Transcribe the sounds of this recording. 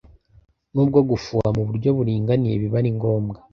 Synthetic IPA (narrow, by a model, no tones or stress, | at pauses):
nuːb̚ɡo̞ɡufuamuβuɾɟo̞βuɾiːŋɡanije̞̰βiβaɾiŋɡo̞ːmɡa